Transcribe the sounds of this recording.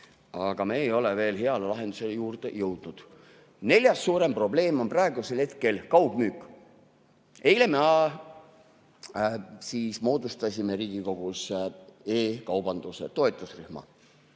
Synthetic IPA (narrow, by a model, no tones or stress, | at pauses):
ɑɡ̥ɑmeːjo̞leve̞ːlɦeɑlelɑɦe̞nd̪̥use̞lejuːrd̪e̞̰jɤwd̪̥nud̪̥ | ne̞lʲjɑsːuːɾe̞mpro̞ble̞ːmo̞nprɑeɡ̥use̞lhe̞t̪ke̞lkɑwb̥myːkˑ | e̞jle̞meɑ | siːsmo̞ːd̪ust̪ɑsʲimeɾiːɡ̥iko̞ɡ̥useːkɑwbɑnd̪̥use̞̰t̪o̞et̪ˑusrihmɑ̰